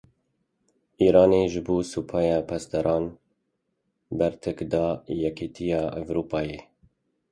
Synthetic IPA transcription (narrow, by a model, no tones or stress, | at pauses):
iːɾɑːneʒɨboːsupʰɑːjɑːpʰɛst̪ɛɾʔɑːn | bɛɾt̪ʰɛkd̪ɑːjɛkʰiːt̪ʰijɑːʔɛvɾuːpɑːjeː